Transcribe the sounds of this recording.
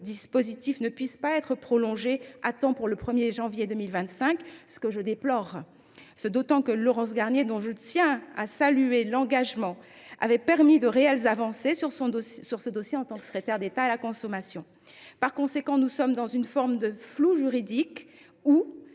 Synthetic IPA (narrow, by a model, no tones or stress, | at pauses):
d̪ispozit̪ifnəpɥispaɛt̪χəpχɔlɔ̃ʒeat̪ɑ̃puʁləpχəmjeʒɑ̃vjed̪ømilvɛ̃t̪sɛ̃ksə̥kəʒəd̪eplɔʁ | səd̪ot̪ɑ̃kəlɔʁɑ̃s̬ɡaʁnjed̪ɔ̃ʒət̪jɛ̃asalyelɑ̃ɡaʒmɑ̃ | a̰vɛpɛʁmid̪əʁeɛlzavɑ̃sesyʁsɔ̃syʁsəd̪ɔsjeɑ̃t̪ɑ̃ksə̥kχet̪ɛʁd̪et̪aalakɔ̃sɔmasjɔ̃ | paʁkɔ̃sekɑ̃nusɔmd̪ɑ̃zynfɔʁmd̪əfluʒyʁid̪ik | u